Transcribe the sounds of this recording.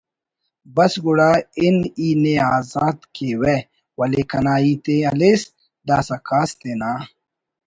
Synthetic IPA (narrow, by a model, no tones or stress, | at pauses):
bɐsɡuɽaːɪniːneaːzaːt̪kewe | wɐlekɐnaːiːt̪eɐles | d̪aːsɐkaːst̪eːnaː